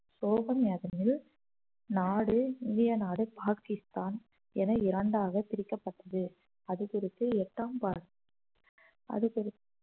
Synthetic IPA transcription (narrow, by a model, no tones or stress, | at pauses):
soːɣɐmjaːðɐnɪl | naːɽɯɪnd̪ɪjɐnaːɽɯpaːkɪst̪aːn | ɛnɐɪɾɐɳɖaːɣɐp̪ɪɾɪkːɐpːɐʈːɐðɯ | ɐðɯkʊɾɪt̪ːɯɛʈːaːmpaːɾ | ɐ̰ðɯkɪɾɪt̪ː